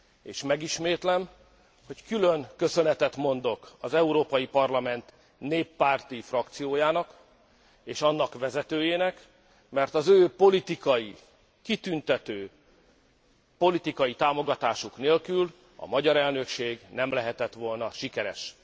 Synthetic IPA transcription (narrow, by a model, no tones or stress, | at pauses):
eːʃmɛɡiʃmeːt̪lɛm | ho̞ckylø̞ŋkø̞sø̞nɛt̪ɛt̪mo̞nd̪o̞kɒzɛuɾoːpɒjipɒrlɒmɛnt̪ | neːpːaːrt̪ifrɒkt̪sijoːjaːnɒk | eːʃɒnːɒkʋɛzɛt̪øːjeːnɛk | mɛrt̪ɒzøːpo̞lit̪ikɒji | kit̪ynt̪ɛt̪øː | po̞lit̪ikɒjit̪aːmo̞ɡɒt̪aːʃukneːlkyl | ɒ̰mɒɟɒɾɛlnø̞kʃeːɡnɛmlɛɦɛt̪ɛt̪ʋo̞lnɒʃikɛɾɛ̰ʃ